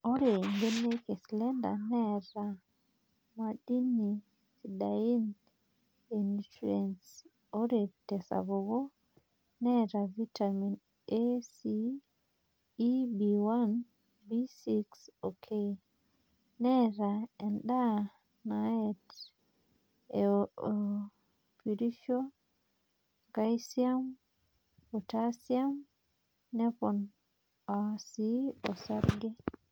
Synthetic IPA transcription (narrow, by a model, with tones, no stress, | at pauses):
o˦ɾe˨ŋɡe˦ne˦ke˨slɛ˦nda̰˨nɛ˦ɾa˨ | ma˨di˦ni˨ | si˨da˨i˦n | e˨nitiɛ˨ns | o˦ɾe˨tɛ˨sa̰˨βo˨ɡo˦ | nɛ˦ɾa˨vi˦ta˨mi˨n | e˦si˦ | bi˨wa˦n | bi˦si˦ksokʰe | nɛɾaɛnɗa | naɛt | ɛ | piɾiʃɔ | ɡajsiam | pɔtasiamː | ɛpɔn | asiɔsaɾɡɛ